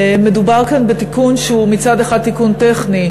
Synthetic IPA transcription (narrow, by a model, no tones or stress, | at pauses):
medubaʁkanbet̪ikunʃeumit͡sad̪eχad̪̚tːikunteχni